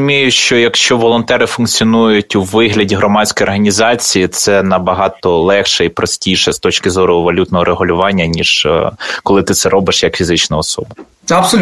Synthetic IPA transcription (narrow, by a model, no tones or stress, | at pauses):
ʊmʲijʊʃt͡ʃɔjɐkʃt͡ʃɔʋɔlˠɔnt̪ɛɾɪfʊnkt͡sʲiɔnujʊtʲuʋɪɦlʲɐdʲiɦɾɔmɑsʲkɔjɔrɦɐnʲizɑt͡sʲijit̪sɛnɐbɐɦɑt̪ɔlˠɛxʃɛipɾɔsʲtʲijʃɛst̪ɔt͡ʃkɪzɔɾʊʋɐlʲut̪nɔɦɔɾʔeɦʊlʲʊʋɑnʲːɐnʲiʒkɔlˠɪt̪ɪt̪sɛɾɔbɪʃjɐkfʲizɪt͡ʃnɐɔsɔ̰bɐ | ɐps